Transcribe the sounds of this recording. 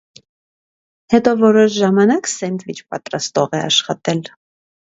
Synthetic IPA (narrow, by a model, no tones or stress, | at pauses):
hɛt̪ɔvɔɾɔʃʒɑmɑnɑksɛnt̪vit͡ʃpɑt̪ɾɑst̪ɔʁɛɑ̰ʃχɑt̪ɛl